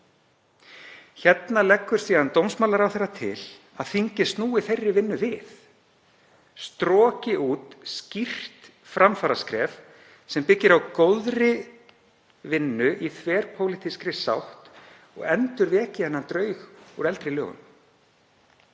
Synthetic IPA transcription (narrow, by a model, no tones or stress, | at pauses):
çɛt̪nalɛkːʏɾ̥siːðant̪owmsmaːwlaɾawθejrːat̪ʰɪ̰l | aðθiɲcɪst̪nuːɪθejrːɪvɪnːʏvɪθ | st̪ɾɔːcɪʔuːt̪scir̥t̪ | fɾamfaːɾaskɾɛːf | sɛmpɪcːɪɾawkowðɾɪ | vɪnːʏʔiθʰvɛːɾ̥pʰowlɪht̪ʰiskɾɪsa̰wht̪ | ɔ̰ɣɛnt̪ʏɾvɛːcɪhɛnːant̪ɾœːɥxuɾɛlt̪ɾɪlœ̰ːɣʏ̰m